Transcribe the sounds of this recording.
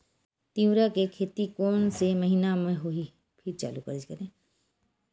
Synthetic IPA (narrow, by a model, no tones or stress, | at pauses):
t̪ĩɾakekʰeːt̪ikoːnseməɦiːnamẽɦoi | pʰɪɾt͡ʃa̰ːlukəɾəd͡ʒkəɾẽː